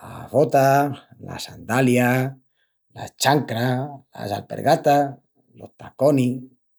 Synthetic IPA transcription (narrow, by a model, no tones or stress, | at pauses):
aβot̪ala̰sand̪alja | la̰t͡ʃaŋkɾala̰salpḛɾɣat̪a | loht̪akoni